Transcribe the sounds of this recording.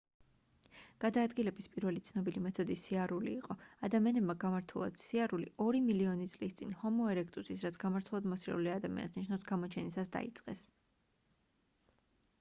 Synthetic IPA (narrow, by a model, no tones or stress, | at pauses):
ɡ̥ad̪aːd̪ɡilɛbispʼiɾvɛlit̪sʰnɔbilimɛt̪ʰɔd̪isiaɾuliːqʼɔad̪amianɛbmaɡamaɾt̪ʰulˠa̰d̪̥siaɾuliʔɔɾimiliɔnit̪sʼlist̪sʼḭnhɔmɔɛɾɛkʰt̪ʼusisɾat̪sʰɡ̥amaɾt̪ʰulˠad̪mɔsɾɛ̰uliad̪amḭa̰sniʃnafsɡamɔt͡ʃʰɛnisasd̪a̰ḭt̪sʼqʼɛ̰s